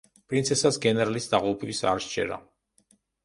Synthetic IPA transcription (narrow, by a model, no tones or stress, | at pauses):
pʼɾint̪sʰɛsasɡɛnɛɾalisd̪aʁupʰʼɛisa̰ɾʃt͡ʃʰʼɛ̰ɾa̰